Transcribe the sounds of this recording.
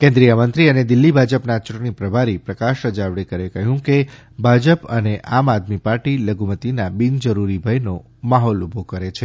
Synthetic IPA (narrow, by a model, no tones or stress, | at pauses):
kɛ̃nd̪ɾijəmənt̪ɾiəned̪ɪlːibʱad͡ʒəpnat͡ʃuʈəɳ̃ipɾəbʱaɾipɾəkaʃɾəd͡ʒaʋɽekəɾekəɦjũke | bʱad͡ʒəpəneʔamad̪mipaɾʈiləɡʱumət̪inabind͡ʒəɾuɾibʱəjno | maɦɔlubʱokəɾet͡ʃʰe